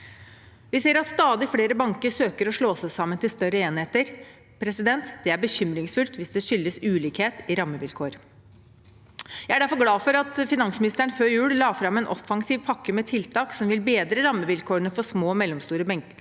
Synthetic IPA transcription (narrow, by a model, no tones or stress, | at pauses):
ʋɪseːɾɑt̪st̪ɑːd̪ɪfɽeːɾəbɑŋkəʂøːkəɾɔʂɭoːsəsɑmːənt̪ɪlst̪œɾəeːnɪheːt̪əɾ | pʰɾɛsɪd̪ɛnt̪d̪̥ɛæbəçʏmɾɪŋsfʉlt̪ʋɪsd̪ɛʃʏlːəsʉːliːkheːt̪ɪɾɑmːəʋɪlkʰoːɾ | jæɪæɖæɾfɔɾɡlɑːfɔɾɑt̪fɪnɑnsmɪnɪst̪əɳføːɾjʉːllɑːfɾɑmɛːnʔɔfːɑŋsiːʋpʰɑkːəmɛt̪ʰɪlt̪ʰɑːksɔmʋɪlbeːd̪ɾəɾɑmːəʋɪlkʰoːənəfɔsmoːmɛlːɔmst̪uːɾəbɛŋkə